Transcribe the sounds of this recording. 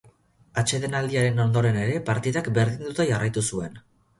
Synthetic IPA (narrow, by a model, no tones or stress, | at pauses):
at͡ʃe̞ðe̞nald̪iaɾe̞no̞nd̪o̞ɾe̞ne̞ɾe̞paɾt̪iðakbe̞ɾðind̪ut̪aʝarajt̪usue̞n